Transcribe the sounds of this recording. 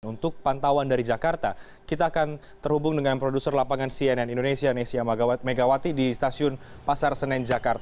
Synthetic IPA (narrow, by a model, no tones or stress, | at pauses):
unt̪ʊk̚pant̪awandaɾid͡ʒakart̪a | kit̪aːkan | t̪ərhubʊŋdəŋanpɾodusərlapaŋansiɛnɛnindonesianesiameɡawat̪idist̪asiʊn | pasarsənɛnd͡ʒakart̪